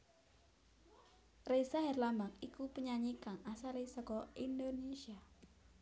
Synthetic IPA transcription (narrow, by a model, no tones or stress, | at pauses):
resaɦɛrlambak̚ikupəɲaɲikaŋasalisɔkɔind̪onesia